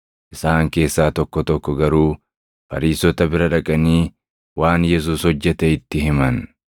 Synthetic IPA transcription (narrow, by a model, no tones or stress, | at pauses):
ʔɪsaːŋke̞ːsːaːt̪ɔkːɔt̪ɔkːɔɡɐɾuː | fɐ̰ɾiːsɔt̪ɐbɪɾɐᶑɐkʼɐniː | waːnjɛs̬uːshɔd͡ʒːɛt̪ɛɪt̪ːɪɦɪmɐn